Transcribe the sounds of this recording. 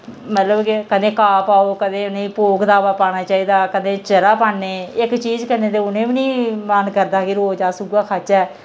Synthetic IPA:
mət̪ləbkekəd̪ẽːkaːpaːoːkəd̪ẽːʊnẽːipoːkd̪aːʋaːpaːɽ̃aːt͡ʃaːiːd̪aːkəd̪ẽːt͡ʃəɾaːpaːɳneːɪkt͡ʃiːd͡ʒkəɾnẽːt̪̬eːʊnẽːbiːnĩːmaːnkəɾd̪aːkɪɾoːd͡ʒaːsʊɡaːkʰat͡ʃɛː

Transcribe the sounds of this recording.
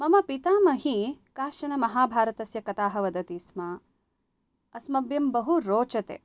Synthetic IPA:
mɐmɐpit̪aːmɐɦikaːʃɐnɐmɐɦaːbʱaːɾɐt̪ɐsjɐkɐt̪aːɦɐʋɐd̪ɐt̪isma | ɐsmɐbjɐmbɐɦuɾoːt͡ʃɐt̪ḛː

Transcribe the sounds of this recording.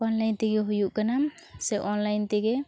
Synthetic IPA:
ɔnlajnt̪ɛɡɛɦujuʔkanamsɛʔɔnlajnt̪ɛɡɛ

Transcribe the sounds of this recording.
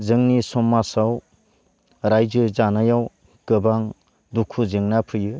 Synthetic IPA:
zɯŋnisɔmːasaw | ɾajzɯzanajaw | kɯbaŋ | dukʰuzɯŋnapʰɯjɯ

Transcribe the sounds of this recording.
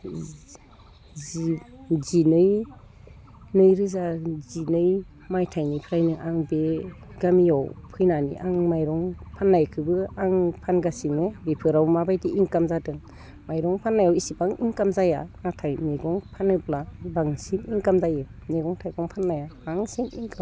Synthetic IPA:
z | zinɯj | nɯjɾɯzazinɯj | majtʰajnipʰɾajnɯʔaŋbe | ɡamijawpʰɯjnanḭʔa̰ŋmajɾɔŋpʰanːajkʰɯbɯaŋpʰanɡasiŋɯbepʰɯɾawmabajdiʔiŋkamzadɯŋ | majɾɔŋpʰanːajawisibaŋiŋkamzajanatʰajmeɡɔŋpʰanɯplabaŋsiniŋkamzajemeɡɔŋtʰajɡɔŋpʰanːajaaŋsinḭŋka

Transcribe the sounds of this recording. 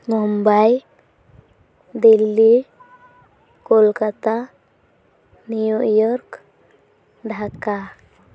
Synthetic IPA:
mɔmbaj | d̪ilːi | kɔlkat̪a | nujuʔjɔɾk | ɖʱaka

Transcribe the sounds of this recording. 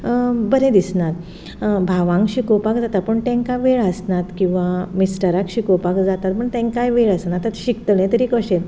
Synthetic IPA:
bəɾẽd̪isnat̪ | bʱaʋãŋkɕikopakd͡zat̪at̪̚pəɳt̪ẽŋkaʋeɭəsnat̪kĩw̃ʋamisʈəɾakɕikopakd͡zat̪at̪̚pəɳt̪ɛ̃ŋkajʋeɭəsnat̪ːət̪ɕikt̪əɭẽt̪əɾikəɕel

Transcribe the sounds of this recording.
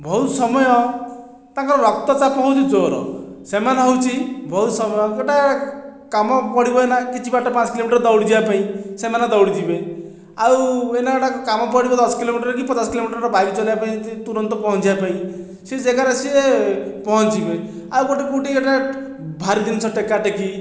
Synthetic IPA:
bʱɔut̪sɔmɔjɔ | t̪ãkɔɾɔɾɔkt̪ɔt͡ʃapɔɦut͡ʃit͡ʃɔɾɔ̰semanaɦowt͡ʃʰibʱɔut̪sɔmɔjɔkeʈakamɔpɔɽibɔenakit͡ʃʰibaʈɔpãt͡ʃɔkilomiʈɔɾd̪ɔwɽid͡ʒiapaĩsemanad̪ɔwɽid͡ʒibe | awenaɡɔʈakkamɔpɔɽibɔd̪ɔskilomiʈɔɾk̬ipɔt͡ʃaskilomiʈɔɾɾɔbʱaɡit͡ʃɔlibapaĩit̪uɾɔnt̪ɔpɔɦɔnt͡ʃʰibapaĩ | sed͡ʒekaɾesiepɔɦɔt͡ʃibɔe | awɡoʈipuʈiɡeʈa | bʱaɾid̪insʰɔʈekːaʈeki

